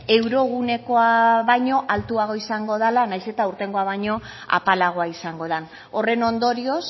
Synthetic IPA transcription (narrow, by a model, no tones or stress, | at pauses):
e̞wɾo̞ɣ̞une̞ko̞aβajɲo̞ʔalt̪uaɣ̞o̞isaŋɡo̞ð̞alanajse̞t̪auɾt̪e̞ŋɡo̞aβajɲo̞ | a̰palaɣ̞o̞aisaŋɡo̞ð̞an | o̞re̞no̞nd̪o̞ɾio̞s